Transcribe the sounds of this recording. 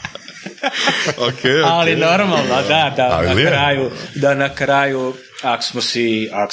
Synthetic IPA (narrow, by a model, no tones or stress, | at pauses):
okealinoɾmalˠnod̪ad̪a̰nakɾaːjud̪anakɾaːju | aksmosiak